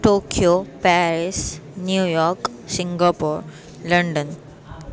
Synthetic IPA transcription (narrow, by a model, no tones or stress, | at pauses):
ʈokijopɛɾisnjujɔɾk | sĩŋɡapuɾ | ləɳɖən